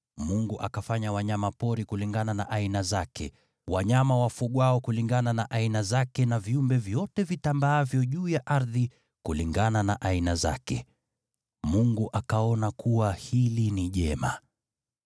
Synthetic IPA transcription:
muŋɡuʔa̰kafaɲawaɲamapɔɾikuliŋɡananaʔainazakɛ̰ | waɲamawafuɠwaɔkuliŋɡananaʔainazakɛnaviumbɛvjɔtɛvitambaavjɔʄuːjaʔaɾði | kuliŋɡananaʔainaza̰kɛ̰ | muŋɡuʔakaɔnakuwahiliniʄɛma̰

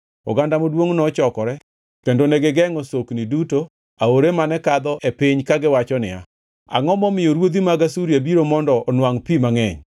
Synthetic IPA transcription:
ɔ̰ɡandamodwoŋnɔt͡ʃɔkɔɾɛ | kendoneɡɪɡɛŋɔsoknɪduto | aoɾemanɛkad̪ɔʔepɪɲkaɡɪwat͡ʃɔnɪ̰a̰ | a̰ŋɔmɔmɪjoɾwod̪imaɡasuɾjabiɾomɔndɔʔːnwaŋpimaŋɛɲ

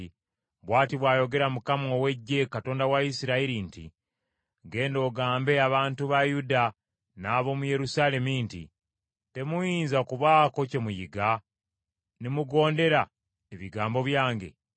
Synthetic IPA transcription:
βwaːtiβwaːjo̞ɡe̞ɾamukamowe̞ɟːe̞kato̞ːndawaisiɾaiɾintḭ | ɡe̞ːndo̞ːɡaːmbe̞aβaːntuβajuda | naːβo̞muje̞ɾusaːle̞mintḭ | te̞mujiːnzakuβaːko̞ce̞mujiɡa | nemuɡo̞ːnde̞ɾa | eβiɡaːmbo̞βjaːŋɡe̞̰

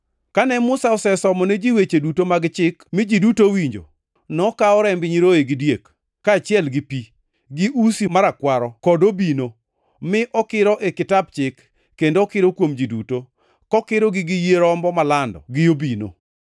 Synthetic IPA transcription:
kanɛmʊsaɔsɛsɔmɔnɛd͡ʒiwet͡ʃedutomaɡt͡ʃɪkmɪd͡ʒidutowiɲd͡ʒo̰ | nɔkaɔɾɛmbɪɲiɾoeɡɪdjekː | aːt͡ʃjɛlɡɪpi | ɡiʔusimaɾakwaɾɔkɔdobino | mɪʔɔkɪɾɔʔekɪtabt͡ʃɪkː | endoːkɪɾokwomd͡ʒiduto | kɔkɪɾɔɡɪɡɪjeɾɔmbɔmalandɔ̰ɡɪjobino̰

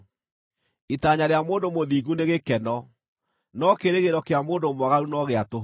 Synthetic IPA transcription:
itaɲaɾeamoːndomoðiːɣuneɣekɛnɔ | nɔkeɾeɣeɾɔkeamoːndomwaɣaɾunɔɣeato

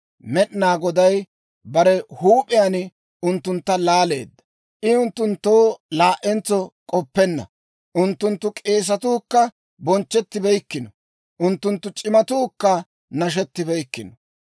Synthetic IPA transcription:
mɛɗnaːɡɔd̪ɐj | bɐɾɛhuːpʼɪjan | ʊnt̪ːʊnt̪ːɐlaːle̞̰ːd̪ːɐ̥ | ʔɪʊnt̪ːʊnt̪ːoːlaːʔɛnt͡sːɔkʼɔpːɛnːɐ̰ | ʔʊnt̪ːʊnt̪ːʊkʼe̞ːs̬ɐt̪uːkːɐ | bɔnt͡ʃːɛt̪ːɪbɛjkːɪnɔ | ʔʊnt̪ːʊnt̪ːʊt͡ʃʼɪmɐt̪uːkːɐ | nɐʃ̬ɛt̪ːɪbɛjkːɪnɔ

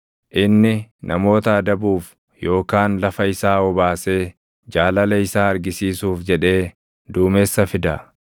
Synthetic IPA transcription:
ʔɪnːɪnʔɐmo̞ːt̪ɐɐd̪ɐbuːf | jo̞ːkaːnlɐfɐɪsaːɔbaːse̞ː | d͡ʒaːlɐlɐɪsaːɐɾɡɪsiːsuːfd͡ʒɛᶑe̞ː | d̪uːmeːsːɐfɪd̪ɐ̰

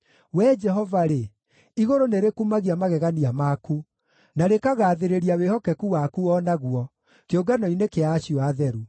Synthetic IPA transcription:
wɛd͡ʒɛɦɔvaɾe | iɣoɾoneɾekumaɣiamaɣɛɣaniamaku | naɾekaɣaːðeɾeɾiawehɔkɛkuwakuɔːnaɣwɔ | keoɡanɔinekeaːɕiɔaðɛɾu

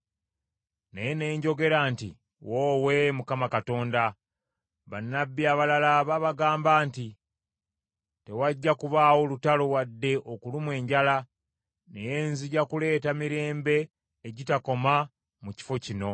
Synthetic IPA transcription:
nejene̞ːɲɟo̞ɡe̞ɾaːntḭ | woːwe̞mukamakato̞ːnda | βanːabːiaβalalaβaβaɡaːmbaːnti | te̞waɟːakuβaːwo̞lutalo̞wadːe̞ʔokulumwe̞ːɲɟala | neje̞ːnziɟakule̞ːtamiɾe̞ːmbe̞ː | ɟitako̞ma | muci̥fo̞cino̞

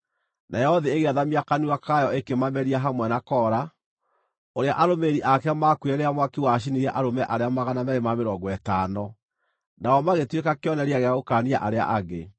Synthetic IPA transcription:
nʔajɛɔðeːɣeaðamiakaniwakajɔekemamɛɾiaɦamwɛnakɔːɾa | oɾea̰ʔaɾomeɾiʔakɛamakwɛɾeamwakiwaʃ̬iniɾɛʔaɾomɛʔaɾeamaɣanamɛɾemameɾɔːɡwɛtaːnɔ | naɔmaɣetwekakjɔnɛɾeaɣeaɣokaːnia̰ʔaɾea̰ʔaɣe

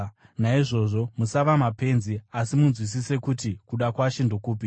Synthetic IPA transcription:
naiʐo̞ʐo̞musaʋamape̞nziasimunzwis̬ise̞kutikuɗakwaʃindokuːpi

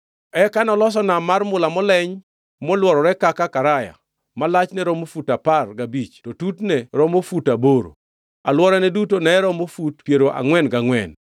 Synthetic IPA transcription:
ɛkanɔlɔs̬ɔnamarmʊlamɔlɛɲ | mɔlwɔɾɔɾɛkakakaɾaja̰ | malat͡ʃnɛɾɔmofutaparɡabit͡ʃtɔtutnɛɾɔmofutaboɾo̰ | alwɔɾɛnɛdutonɛɾɔmofutpjeɾoʔa̰ŋwɛnɡaŋwɛ̰n

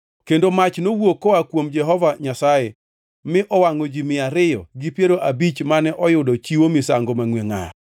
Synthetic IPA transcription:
kendomat͡ʃnowokːɔakwomd͡ʒɛɦɔvaɲasajɛ | mɪʔɔwaŋod͡ʒimɪaɾɪjɔ̰ɡɪpjeɾoʔabit͡ʃmanɛʔɔjʊdɔt͡ʃiwomɪsaŋɡomaŋweŋa̰

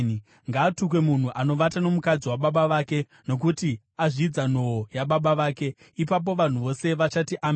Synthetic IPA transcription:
ŋɡaːtukwe̞mun̤uʔano̞ʋatano̞mukad͡ziwaɓaɓaʋaːke̞ | no̞k̬uti | aʐiːd͡zano̞ojaɓaɓaʋaːke̞ | ipap̬o̞ʋan̤uʋo̞se̞ʋat͡ʃatiʔam

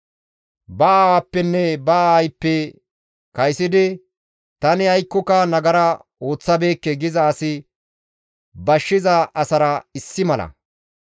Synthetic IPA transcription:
bɐaːwapːɛnːɛbɐɐjpːɛ | kɐjsɪd̪ɪ | t̪ɐnɪɐjkːɔkɐnɐɡɐɾɐ | o̞ːt͡sːɐbe̞ːkːɛɡɪzɐːsɪ | bɐʃːɪzɐʔɐsɐɾɐɪsːɪmɐlɐ̰

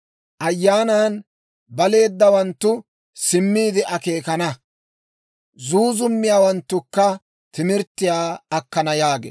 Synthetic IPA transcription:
ʔɐjːaːnaːn | bɐle̞ːd̪ːɐwɐnt̪ːʊ | sɪmːiːd̪ɪʔɐkeːkɐnɐ | zuːzʊmːɪjaːwɐnt̪ːʊkːɐ | t̪ɪmɪɾt̪ːɪjaːɐkːɐnɐjaːɡḛ

